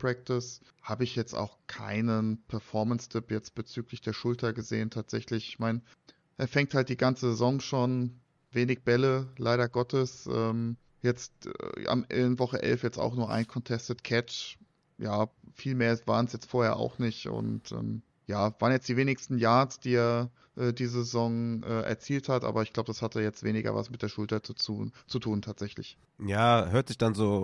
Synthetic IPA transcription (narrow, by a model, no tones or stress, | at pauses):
pʁ̥ɛk̚tɪs | haːbəɪçjɛt͡sta̰ʊxkʰa̰ɪnənpʰɛɐfɔɐmənstʰɪpjɛt͡st̚b̥ət͡syːklɪçd̥eːɐʃʊltʰɐɡəzeːəntʰaːtz̥ɛçlɪçɪçmaɪn | ʔɛɐfɛŋ̚thalt̚d̥iːɡant͡səzezɔŋʃoːn | veːnɪçb̥ɛləlaɪɾɐɡɔtʰəsʔɛːm | jɛt͡stʔa̰mɛvɔχəʔɛ̰lfjɛt͡sta̰ʊxnuːɐʔa̰ɪnkʰɔntʰɛstətkʰɛt͡ʃ | jaːfiːlmeːɐsv̥a̰ːʁənsjɛt͡stfoːɐheːɐʔa̰ʊxnɪçtʊ̰ntʔɛ̰ːm | jaːvaːʁənjɛt͡std̥iːveːnɪçstn̩jaːɐt͡sd̥iːeːɐ | ʔɛːdiːzəzezɔŋʔɛːʔɛ̰ɐt͡siːlthatʔa̰ːbɐɪçɡ̥laʊbədashatʰəjɛt͡stveːnɪɡɐ̰va̰smɪtd̥eːɐʃʊltɐt͡sut͡suːt͡sutʰuːntʰaːtz̥ɛçlɪ̰ç | jaːhøːɐtz̥ɪçd̥anzoː